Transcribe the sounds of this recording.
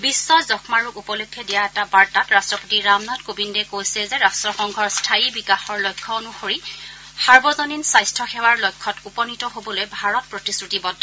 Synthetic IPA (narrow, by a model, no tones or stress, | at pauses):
bisːɔzɔkmaɹuupɔlokʰːɛdijaɛtabaɹtatɹastɹɔpotiɹamnɔtkobindɛkojsɛzɛɹastɹɔxɔŋɡʱɔɹstʰajibikaxɔɹlojkʰːɔonuxoɹi | saɹbɔzoninsajstʰɔxɛwaɹlojkʰːɔtupɔnitɔɦobɔlojbʱaɹɔt̚pɹotisɹutibɔdʱːɔ